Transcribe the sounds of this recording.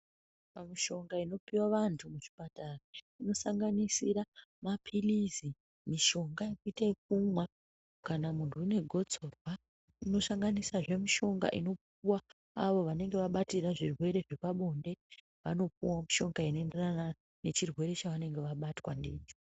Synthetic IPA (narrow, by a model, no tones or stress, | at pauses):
pamiʃo̞ŋɡaino̞piwaʋantʰumuʐi̥patara | ino̞saŋɡanisiɾamapʰilizi | miʃo̞ŋɡajekuitaik̚umwa | kanamuntʰuine̞ɡʱo̞d͡zo̞rwa | ino̞saŋɡanisaʐe̞miʃo̞ŋɡa̰ʔḭno̞p̚uwaː | ʋo̞ʋane̞ŋɡe̞ʋaɓatiraʐirwe̞ɾe̞ʐepaɓo̞nde̞ | ʋa̰no̞puwamiʃo̞ŋɡainoenderana | ne̞t͡ʃirwe̞ɾe̞t͡ʃaʋane̞ŋɡe̞ʋaɓatwandiːt͡ʃi̥